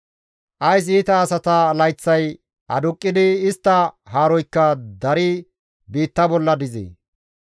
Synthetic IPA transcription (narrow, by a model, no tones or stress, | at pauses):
ʔɐjs̬iːt̪ɐːsɐt̪ɐlɐjt͡sːɐj | ʔɐ̰d̪ʊkʼːɪd̪ɪːst̪ːɐhaːɾɔjkːɐd̪ɐɾɪ | biːt̪ːɐbɔlːɐd̪ɪzḛː